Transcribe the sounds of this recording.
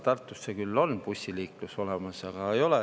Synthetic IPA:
t̪ɑrt̪ːˑusːekylːo̞npusʲːiliːkluso̞lemɑsɑɡ̥ɑejo̞le

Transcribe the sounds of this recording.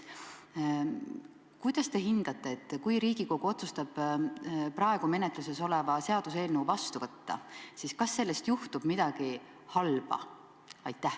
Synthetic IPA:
kujd̪̥ɑst̪e̞ɦind̪̥ɑt̪ːˑe̞ːt̪ːˑkujɾiːɡ̥iko̞ɡ̥uo̞t̪sust̪ɑb̥ | pɾɑeɡ̥ume̞net̪ˑluse̞so̞levɑse̞ɑd̪̥use̞ːlneuvɑst̪uvɤt̪ːɑ̰siːskɑsːe̞lːe̞st̪juht̪ub̥mid̪̥ɑɡ̥i | hɑlb̥ɑ̰ | ɑjt̪ːˑæh

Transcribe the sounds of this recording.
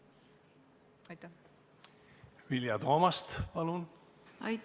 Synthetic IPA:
ɑjt̪ːa | viljɑt̪oːmɑst̪pɑlun | ɑj

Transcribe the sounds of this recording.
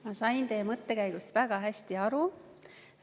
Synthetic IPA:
mɑsɑjnt̪e̞ːmɤt̪ːˑe̞kæjɡ̥ust̪væɡ̥ɑɦæsʲt̪iɑɾu

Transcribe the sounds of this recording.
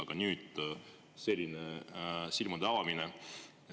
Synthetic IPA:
ɑɡ̥ɑnyːd̪̥ | se̞lʲːinesilmud̪eɑvɑmine

